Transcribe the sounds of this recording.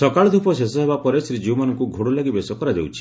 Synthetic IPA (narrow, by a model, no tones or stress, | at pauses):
sɔkaɭɔd̪ʱupɔsesɔɦebapɔɾesɾid͡ʒiwmanɔŋkuɡʱoɽulaɡibesɔkɔɾad̪ḛwt͡ʃʰi̥